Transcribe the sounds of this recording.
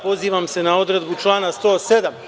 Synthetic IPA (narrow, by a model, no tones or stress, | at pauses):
po̞ziːʋamse̞nao̞d̪ɾe̞d̪but͡ʃlˠaːnast̪o̞se̞d̪am